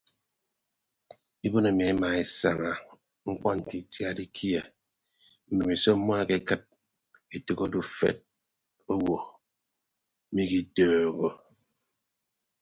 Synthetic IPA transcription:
i˦bo˦na˨mi˨e˦ma˨e˨sa˨ŋa˨ | ŋ̩˦k͡pɔ˦n̩˨ti˨˦tja˦di˦kʰi˦e˨ | m̩˨be˨mi˨so˦mɔ˦a˦ke˦kɨ˦t̚ | e˨to˨ko˦du˦fḛ˦˨t̚ | o˦wo˨˦ | mi˦ki˦dɔː˨ɣo˦

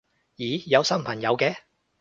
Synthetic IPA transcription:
jiː˨˦jɐ˨˧wsɐ˥mpʰɐ˨˩ŋjɐ˨˧wkɛː˧

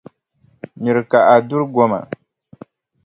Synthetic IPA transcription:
ɲi˨ɾɨ˨ka˨ʔa˨du˦ɾɡɔ˦ma̰˨

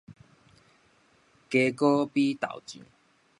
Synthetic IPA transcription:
ke˧kɔ˦pi˦t̪a̰˨˩wt͡ɕḭ̃˨˦

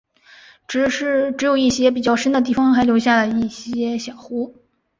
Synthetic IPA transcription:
ʈ͡ʂɻ̩˧˥ʂɻ̩˥˩ʈ͡ʂɻ̩˧˥jo˨˩ʊi˥˩ɕjɛ˥p̬i˨˩t͡ɕjɑ˥˩ʊʂə˥nd̪ə˨t̪̬i˥˩fɑ˥ŋxa˧˥ɪljo˧˥ɕja˥˩lə˨˧i˥˩ɕjɛ˥ɕjɑ˨˩ʊxu˧˥

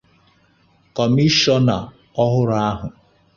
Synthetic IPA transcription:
kɔ˨mi˦ʃɔ˦na˨ | ɔ˦ɦʊ˦ɾa˦a˦ɦʊ˨

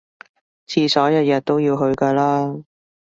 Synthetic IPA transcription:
t͡sʰiː˧sɔː˨˥jɐ˨˧wjɐ˧t̚t̪o˥wjiː˧wɦɵ˧ɥkaː˧laː˥

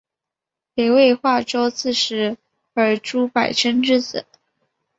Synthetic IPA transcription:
pe˨˧ɪwe˥˧ɪxwa˥˩ʈ͡ʂo˥ʊt͡sʰɹ̩˥˩ʂɻ̩˧˥ | ə˞˨˩ʈ͡ʂu˥pa˨˩ɪʈ͡ʂʰə˥nʈ͡ʂɻ̩˥˧t͡sɹ̩̰˨˩˦

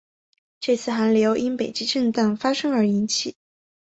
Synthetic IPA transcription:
ʈ͡ʂɤ˥˧t͡sʰɹ̩˥˩xa˧˥nljo˧˥ʊʔi˥npe˨˩ɪt͡ɕi˥ʈ͡ʂə˥˧nt̪a˥˩nfa˥ʂɤ˥ŋə˞˧˥i˧˥nt͡ɕʰi˨˩˦

